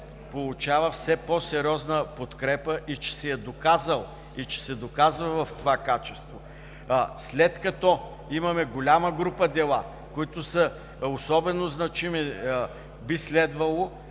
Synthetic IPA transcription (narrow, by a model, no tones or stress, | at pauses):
polˠʊt͡ʃavəfsɛpɔsɛɾʲiɔznəpot̪kɾɛpəʔit͡ʃɛ̥sɛjɛd̪okazəlˠ | it͡ʃɛ̥sɛd̪okazvɐvɐft̪ovakat͡ʃɛst̪vo | slɛt̪kɐt̪ɔ | imɐmɛɡolʲaməɡɾupəd̪ɛlˠa | koit̪ʊsɐə | osɔbɛnoznɐt͡ʃimi | bislɛd̪vɐlˠo